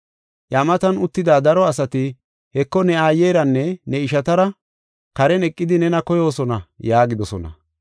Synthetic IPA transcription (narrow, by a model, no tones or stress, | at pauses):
jamɐt̪ɐnʊt̪ːɪd̪aːd̪ɐɾɔɐsɐt̪ɪ | hɛkːɔnɛaːjːejɾɐnːɛnɛɪʃɐt̪ɐɾɐ | kɐɾɛnɛkʼːɪd̪ɪnɛnɐkɔjo̞ːsɔnɐjaːɡɪd̪ɔsɔnɐ̰